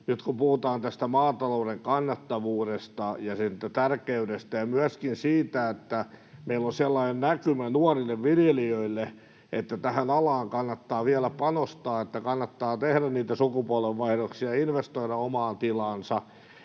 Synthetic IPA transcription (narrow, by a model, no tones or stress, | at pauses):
nyt̪kumpuhut̪ɑːnt̪æst̪æmɑːt̪ɑloudeŋkɑnːɑt̪ːɑʋuːɾest̪ɑjɑsint̪ːæt̪ærkeydest̪æjɑmyæskinsiːt̪æet̪ːæmeilːonselːɑinennækymænuɑrilːeʋʋiljeliøilːe | ʔet̪ːæt̪æhænɑlɑːŋkɑnːɑt̪ːɑːʋiælæpɑnost̪ɑːet̪ːækɑnːɑt̪ːɑːt̪ehɾænniːt̪æsukupuɑlʋeʋʋɑihɾoksiɑinʋest̪oiɾɑomɑːnt̪ilɑnsɑ